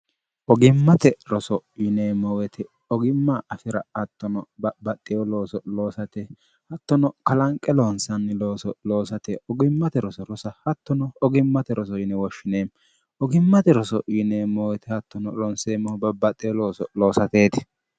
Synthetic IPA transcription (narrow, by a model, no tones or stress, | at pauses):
ʔɔɡɪmːɐt̪ɛɾɔsɔjɪneːmɔwɛt̪ɛ | ɔɡɪmːaʔɐfɪɾɐɐt̪ːɔnɔbɐbɐt̪ʼːɪjɔloːsɔlo̞ːsɐt̪ɛ | hɐt̪ːɔnɔkɐlɐŋkʼːɛlonsɐnːɪloːsɔlo̞ːsɐt̪ɛɔɡɪmːɐt̪ɛɾɔsɔɾɔsɐhɐt̪ːɔnɔɔɡɪmːɐt̪ɛɾɔs̬ɔjɪnɛwɔʃːɪneːm | ɔɡɪmːɐt̪ɛɾɔsɔjɪneːmɔwɛt̪ɪhɐt̪ːɔnɔlɔnseːmɔhɔbɐbɐt̪ʼːɪjɔloːsɔloːsɐt̪e̞ːt̪ɛ̥